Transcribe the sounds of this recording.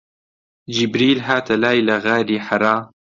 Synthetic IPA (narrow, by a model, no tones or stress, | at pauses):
d͡ʒibɾiːlɦaːt̪ɐlaːjlɐɣaːɾiːħaɾaː